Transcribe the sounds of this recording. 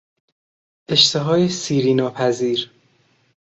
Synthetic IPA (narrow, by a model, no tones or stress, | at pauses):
ʔe̞ʃt̪ʰeɦɒːjesiːɾiːnɒːpʰæziːɾ